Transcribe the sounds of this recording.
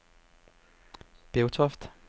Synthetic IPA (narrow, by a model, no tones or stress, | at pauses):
b̥eʊt͡sʰɔfd̥